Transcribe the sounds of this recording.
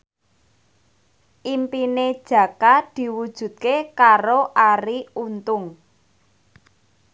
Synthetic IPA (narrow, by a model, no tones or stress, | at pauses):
ʔimpined̥ʒ̥ä̤kad̪̥i̤wud̥ʒ̥ṳt̪̚kekaɾoʔaɾiunt̪ʊŋ